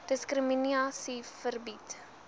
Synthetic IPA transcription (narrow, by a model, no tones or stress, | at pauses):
d̥əskrəminiɑːsifərbit